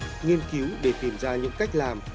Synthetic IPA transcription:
ŋi˧ənki˨˦wɗe˧˩t̪i˨˩mzaː˧ɲɨ̰˧˥ŋka˦˥jk̟̚laː˨˩m

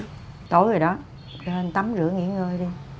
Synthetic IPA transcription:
t̪o̰˧˩˦jzo˨˩jɗɔ˨˦ | t͡ɕe˧nt̪a˨˦mzɨ̰˧˥əŋḭ˧˥əŋəː˧jɗi˧

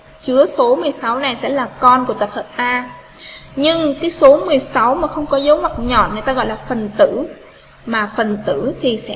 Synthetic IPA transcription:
t͡ɕɨ˨˦əso˨˦mɨ˨˩əjsa˨˦wna˨˩jsɛ̰˧˥laː˨˩kɔ˧nku˧˩ət̪ə˨˩p̚hʰəː˨˩t̚ʔaː˧ | ɲɨ˧ŋkaː˨˦jso˨˦mɨ˨˩əjsa˨˦wmaː˨˩xə˧wŋ͡mkɔ˨˦zo˨˦ma˨˩t̚ɲɔ̰˧˨nŋə˨˩jt̪aː˧ɣɔ̰˧˨jlaː˨˩fə˨˩nt̪ɨ̰˧˥ | maː˨˩fə˨˩nt̪ɨ̰˧˥t̪ʰi˨˩sɛ̰˧˥

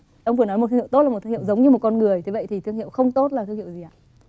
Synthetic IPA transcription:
ʔwŋ͡mvɨ˧˩ənɔ˨˦jmo˨˩t̪ʰːhi˧˨to˦˥t̚lːm˨˩t̪ʰːhḭ˧˨wzə˨˦wŋ͡mɲɨ˧mo˨˩t̚kɔ˧nŋɨ˨˩əjt̪ʰe˨˦və̰˧˨jt̪ʰi˨˩t̪ʰɨ˧əŋhḭ˧˨əwxə˧wŋ͡mt̪o˦˥t̚laː˨˩ɨ˧ŋhḭ˧˨wzi˨˩ʔa̰ː˧˨

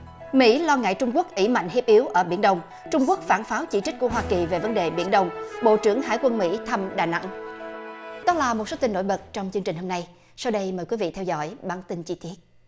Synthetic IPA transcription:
mḭ˧˥lɔ˧ŋa̰ː˧˨jt͡ɕʊ˧ŋ͡mku˦˥k̚ʔi˧˩ma̰˧˨jŋɦi˦˥p̚ʔi˨˦əwʔəː˧˩ɓḭ˧˩ənɗə˧wŋ͡m | t͡ɕʊ˧ŋ͡mku˦˥ək̚faː˧˩nfaː˨˦wt͡ɕi˧˩t͡ɕi̟˦˥ku˧˩əɦwaː˧ki˨˩ve˨˩və˨˦nɗe˨˩ɓḭ˧˥ənɗə˧wŋ͡mɓo̰˧˨t͡ɕɨ˧˩əŋhaː˧˥jkwə˧nmḭ˧˥t̪ʰə˧mɗaː˨˩na̰˧˥ŋ | ɗɔ˨˦laː˨˩mo˨˩t̚so˨˦t̪ï˧nːo̰˧˥jɓə˨˩t̚t͡ɕɔ˧wŋ͡mt͡ɕɨ˧əŋt͡ɕï˨˩ŋ̟ho˧mna˧j | sa˧wɗə˧jməː˨˩jkwvḭ˧˨t̪ʰɛ˧wzɔ̰˧˥jɓaː˧˩nt̪i˧nt͡ɕi˧t̪i˦˥ət̚

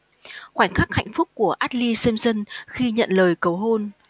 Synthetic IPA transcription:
xwaː˧˩ŋ̟xa˦˥k̚ha̰˧˨jŋ̟fʊ˦˥k͡p̚ku˧˩əʔaː˦˥t̚li˧sə˧mzə˧nxi˧ɲə̰˧˨nləː˨˩jkə˨˩wɦo˧n

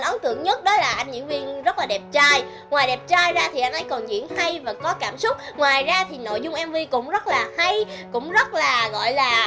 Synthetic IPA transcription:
nʔə˨˦nt̪ɨ̰˧˨əŋɲə˦˥t̚ɗɔ˨˦laː˨˩ʔa˧jnɲɨ̰˧˥ŋvi˧ŋzə˦˥t̚laː˨˩ɗɛ˨˩p̚t͡ɕaː˧j | ŋwaː˨˩jɗɛ˨˩p̚t͡ɕaː˧jzaː˧t̪ʰi˨˩ʔa˧jnʔə˨˦jkɔ˨˩nzḭ˧˥ənha˧jvaː˨˩kɔ˨˦kaː˧˩msʊ˦˥k͡p̚ŋwaː˨˩jzaː˧t̪ʰi˨˩no̰˧˨jzʊ˧ŋ͡mʔɛ˧mvi˧kʊ̰˧˥wŋ͡mzə˦˥t̚laː˨˩ha˧jkʊ̰˧˥ŋ͡mzə˦˥t̚laː˨˩ɣɔ̰˧˨jlaː˨˩

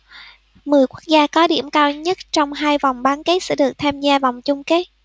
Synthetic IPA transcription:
mɨ˨˩əjku˦˥ək̚zaː˧kɔ˨˦ɗḭ˧˩əmkaː˧wɲə˦˥t̚t͡ɕɔ˧wŋ͡mɦaː˧jva˨˩wŋ͡mɓaː˨˦nke˨˦˥t̚sɛ̰˧˥ɗɨ˨˩ək̚t̪ʰaː˧mzaː˧vɔ˨˩wŋ͡mt͡ɕʊ˧ŋ͡mke˦˥t̚

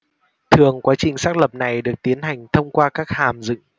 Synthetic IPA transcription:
t̪ʰɨ˨˩əŋkwaː˨˦t͡ɕï˨˩ŋ̟saː˦˥k̚lə˨˩p̚na˨˩jɗɨ˨˩ək̚t̪i˨˦ənha˨˩jŋ̟t̪ʰə˧wŋ͡mkwaː˧kaː˦˥k̚haː˨˩mzɨ̰˧˨ŋ

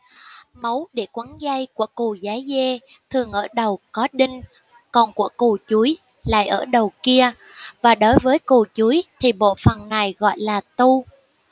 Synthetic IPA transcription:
mə˨˦wɗe˧˩kwa˨˦nza˧jku˧˩əku˨˩zaː˨˦jzɛ˧ | t̪ʰɨ˨˩əŋʔəː˧˩ɗə˨˩wkɔ˨˦ɗï˧ŋ̟ | kɔ˨˩nku˧˩əku˨˩t͡ɕu˨˦j | la̰ː˧˨jʔəː˧˩ɗə˨˩wki˧ə | vaː˨˩ɗo˨˦jvəː˨˦jku˨˩t͡ɕu˨˦jt̪ʰi˨˩ɓo̰˧˨fə˨˩nːa˨˩jɣɔ̰˧˨jlaː˨˩t̪u˧

